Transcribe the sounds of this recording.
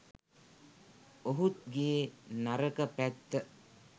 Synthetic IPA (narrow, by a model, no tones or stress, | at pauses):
oɦut̪̚ɡeːnaɾəkəpæt̪ːə